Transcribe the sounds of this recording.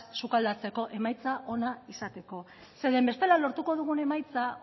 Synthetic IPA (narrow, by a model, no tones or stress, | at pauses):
sukald̪at͡se̞ko̞ʔe̞majt͡saʔo̞naisat̪e̞ko̞ | se̞ðe̞mbe̞st̪e̞lalo̞ɾt̪uko̞ðuɣ̞une̞majt͡sa